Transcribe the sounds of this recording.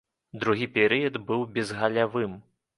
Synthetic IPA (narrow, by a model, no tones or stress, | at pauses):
d̪ɾuɣʲipʲɛɾɨjɐd̪bɨwbʲɛzɣɐlʲavɨm